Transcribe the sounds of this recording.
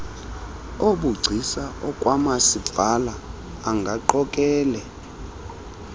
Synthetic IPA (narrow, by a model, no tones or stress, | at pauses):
oɓuɡ͡ǀʱisaɔkʼwamasib̪valaː | ŋɡʱaǃɔkʼɛːlɛ